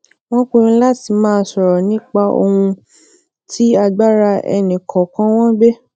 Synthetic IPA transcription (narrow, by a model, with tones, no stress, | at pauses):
w̃ɔ̃˦k͡pu˦˧ĩ˧˦la˦ti˨mãː˦sɔ˨ɾɔ˨nĩ˦k͡pa˧o̰˧hũ˧ | tʰi˦a˧ɡ͡ba˦ɾa˧ɛ̰˧nĩ˨kʰɔ˨kã˨˦w̃ɔ̃˦be˦